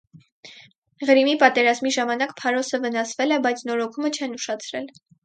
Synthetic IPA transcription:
ʁəɾimipɑt̪ɛɾɑzmiʒɑmɑnɑkpʰɑɾɔsəvənɑsvɛlɛbɑjt͡sʰnɔɾɔkʰumət͡ʃʰɛnuʃɑt͡sʰɾɛl

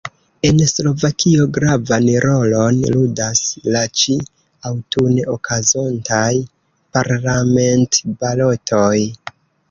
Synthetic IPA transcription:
e̞nslo̞vakʰio̞ɡɾavanɾo̞lo̞nludaslat͡ʃi | awtuneokʰazontaj | paɾlame̞ntbalo̞tʰo̞j

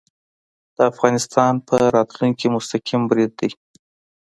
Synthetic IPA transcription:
d̪̥əafɣɑnɪst̪ɑnpʰəɾɑt̪luŋkimʊst̪aqimbɾɪd̪̚ːaj

